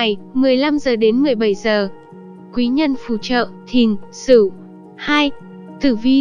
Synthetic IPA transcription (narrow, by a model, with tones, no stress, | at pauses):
jmɨ˨˩əjla˧mzəː˨˩ɗe˨˦nmɨ˨˩əjɓa˧˩jzəː˨˩ | kwi˨˦ɲə˧nfṵ˧˩t͡ɕə̰ː˧˨t̪ʰi˨˩ənsɨ˧˩ | haː˧j | t̪ʰɨ˧˩vi˧